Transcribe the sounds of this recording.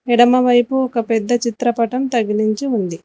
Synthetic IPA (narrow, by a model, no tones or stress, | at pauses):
ɛɽɐmɐʋɐjpuɔkɐpɛd̪ːɐt͡ʃit̪ɾɐpɐʈɐmt̪ɐɡiniɲt͡ʃiund̪i